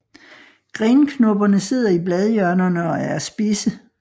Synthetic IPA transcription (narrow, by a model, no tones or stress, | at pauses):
ɡ̥ʁeːnkʰnɔb̥ɐnəse̝ð̞̰ˠɐiblɛð̞ˠjœɐnɐnəɒæɐsb̥iːsə